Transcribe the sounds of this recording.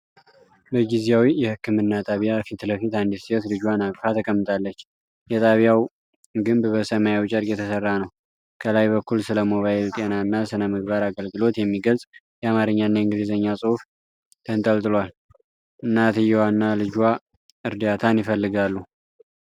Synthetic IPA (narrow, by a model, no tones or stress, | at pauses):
bəɡizjawijɛhɨkːɨmɨnːat̪ʼaβijafit̪ləfit̪and̪ist̪lɨd͡ʒwanakfat̪ʰəkʼəmːɨt̪ʰalːət͡ʃː | jɛt̪ʼaβjaw | ɡɨmbbəsəmajawt͡ʃʼəɾkʼjɛt̪ʰəsərːanəw | kʰəlajbəkʰːulsɨləmo̞βajɪlt̪ʼenaɨnːasɨnəmɨɡ̚βaɾaɡəlɡɨlo̞t̪jɛmːiɡəlsʼ | jɛamaɾɨɲːanːaɨŋɡɨlizəɲːasʼɨhuf | t̪ʰənt̪ʼəlt̪ʼɨlwal | ɨnːat̪ʰɨjːɛwanːalɨd͡ʒwa | ɨɾd̪at̪ʰanjɪfəlːɨɡalːu